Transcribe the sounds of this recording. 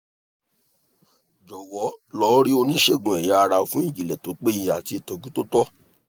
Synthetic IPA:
d͡ʒɔ˨wɔ˨˦lɔ˨˦ɾi˦o˧nĩ˦ʃe˦˨ɡũ˨ɛ˨ja˦a˧ɾa˧fũ˦ĩ˦˨d͡ʒi˨lɛ˨to˨˦k͡pe˦jĩ˧a˨ti˧˦i˨tɔ˧ɡũ˦to˦tɔ˦

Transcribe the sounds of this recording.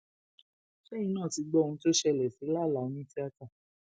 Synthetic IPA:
ʃɛ̃˦ĩ˧˦nãː˦˨ti˧ɡ͡bɔ˦˧ũ˧˦to˦ʃɛ˧˨lɛ˨si˨˦la˦˨la˨o˨˦nĩ˦ti˦a˧ta˦˨

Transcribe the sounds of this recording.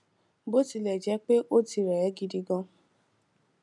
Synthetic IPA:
bo˦ti˧lɛ˨d͡ʒɛ˨˦k͡pe˦ʔo˦ti˧ɾɛ˨˦ɡi˧di˧ɡɔ̃˧

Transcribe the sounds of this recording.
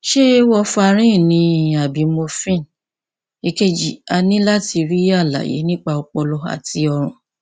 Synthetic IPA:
ʃe˦wɔ˧fa˧ɾ̃ĩ˦˨nĩ˧a˨bi˨˦mo˧fĩ˦n | e˧ke˧d͡ʒḭ˨a˧nĩ˦la˦ti˧ɾi˦a˦˨la̰˨jḛ˨˦nĩ˦k͡pa˧o˧k͡pɔ˧lɔ˧a̰˨ti˧˦ɔ˧ɾ̃ũ˨

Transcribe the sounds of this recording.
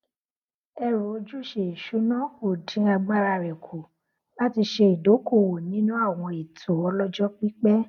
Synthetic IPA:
ɛ˧ɾo˨o˧˦d͡ʒu˦˨ʃe˧˨i˨ʃu˨˦nã˦o˦˨dĩ˨˦a˧ɡ͡ba˦˨ɾa˧˨ɾɛ˨kʰo˨ | la˦ti˧ʃe˧i˨do˨˦ko˦˨wo˨nĩ˨˦nũ˦a˦˨w̃ɔ̃˧i˨tʰo˨˦ɔ˧lɔ˦d͡ʒɔ˦k͡pi˦k͡pɛ˦

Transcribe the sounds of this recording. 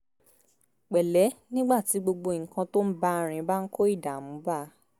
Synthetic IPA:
k͡pɛ˨lɛ˨˦nĩ˦ɡ͡ba˦˨ti˨˦ɡ͡bo˧ɡ͡bo˧˨ŋ̩˨kã˧to˦m̩˦ba˦ɾ̃ĩ˨˧˦ba˦n̩˦kʰo˦i˦˨da˨mũ˨˦ba˦˨˦

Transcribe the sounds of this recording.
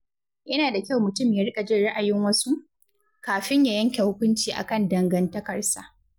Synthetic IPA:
jɐ˦naː˨da˨kʲa˦˨wmʊ˨tʊ˦˨mja˦ɽkʲʼa˨d͡ʒɪ˦ɽa˦ʔa˨jɪ˦ŋwɐ˦su˦ | kaː˨ɸɪ˦ɲjaː˨jɐ˦ŋkʲe˨hʊ˦kʷʊ˦nt͡ʃiː˨ʔa̰˨kɐ˦˨ndɐ˨ŋɡɐ˦ntɐ˦kɐ˨rsa˦

